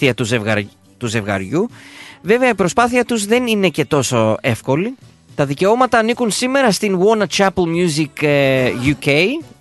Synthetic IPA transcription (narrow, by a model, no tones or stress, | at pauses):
iɐt̪uzevɐ | t̪uze̞vɣɐ̰ɾʝuve̞veɐipɾo̞spɐθiɐt̪uzðe̞nine̞ce̞t̪o̞so̞e̞fko̞li | t̪ɐðice̞o̞mɐt̪ɐːnikunsime̞ɾɐst̪inwo̞nɐt͡ʃɐplmjuzikjucej